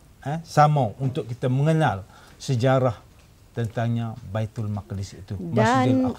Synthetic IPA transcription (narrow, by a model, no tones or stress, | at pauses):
ɛsamawunt̪ʊʔkit̪aməŋənal | səd͡ʒaɾah | t̪ənt̪aŋɲabait̪ʊlmaklisit̪umdaasa